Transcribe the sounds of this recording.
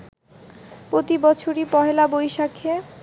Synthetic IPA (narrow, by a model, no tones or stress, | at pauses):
pɾot̪ibɔt͡ɕʰoɾipɔɦelabojʃakʰːe